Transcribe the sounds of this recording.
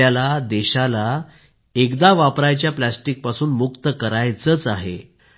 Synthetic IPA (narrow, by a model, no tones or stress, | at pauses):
alad̪ɛɕala | ekd̪aʋapɾajt͡ɕjaplasʈik̚pasuːnmukt̪əkəɾajt͡sət͡saɦḛ